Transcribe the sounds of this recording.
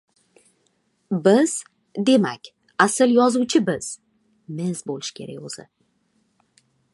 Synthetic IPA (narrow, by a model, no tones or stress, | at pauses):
bɪz̥ | d̪e̞makʲ | asɪljɒzuwt͡ʃʰɪbɪz̥ | mɪzbolɪʃkʲʰe̞̰ɾa̰kʲɵzɪ̰